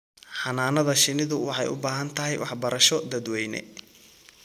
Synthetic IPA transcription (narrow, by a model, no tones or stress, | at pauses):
ħɑnaːnɐðɐʃɪnɪðʊwɑħɑjʊ̰baːɦɐnt̪ʰɐɦɛjwʔɑħbɐɾɐʃɔd̪ɐd̪wɛjnɛ̰